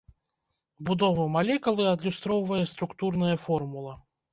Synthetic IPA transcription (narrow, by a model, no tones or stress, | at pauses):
bud̪ɔvɐmalʲɛkulˠɨɐd̪lʲust̪ɾɔwvɐjɐst̪ɾukt̪urnɐjɐfɔrmulˠɐ